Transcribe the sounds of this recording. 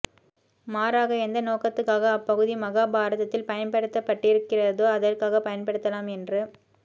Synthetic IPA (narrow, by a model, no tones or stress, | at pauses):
maːɾaːɣɐɛnd̪ɐnoːkɐt̪ːɯkːaːɣɐːpːɐɣɯðimɐɣaːbaːɾɐðɐt̪ːɪlpɐjɐnpɐɽɯt̪ːɐpːɐʈːɪɾɯkːɪrɐðoːɐðɐrkaːɣɐpɐjɐnpɐɽɯt̪ːɐlaːmɛndrɯ